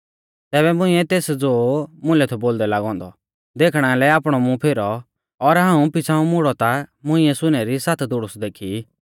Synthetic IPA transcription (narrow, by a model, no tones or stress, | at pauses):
t̪ɛːbɛmʊ̃ɪ̃ɛt̪eːsd͡zoːmʊ̃lɛt̪ʰɔboːld̪ɛlaɡɔ̃ːnd̪ɔ̰ | d̪eːkʰɽ̃alɛaːpɽ̃ɔmũpʰeɾɔ | ɔɾɦãːũpɪt͡sʰãːũmʊɽɔt̪amʊ̃ɪ̃ɛsʊnɛɾisaːt̪ʰd̪ʊɽʊsd̪eːkʰi